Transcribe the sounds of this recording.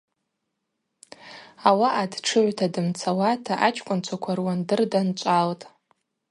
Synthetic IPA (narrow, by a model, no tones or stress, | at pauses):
awaʔadʈ͡ʂʰɨʕʷtʰadɨmt͡sʰawatʰaʔat͡ʃʰʼkʷʼʊnt͡ʃʷʰakʷʰarwandɨrdant͡ʃʷʼaltʼ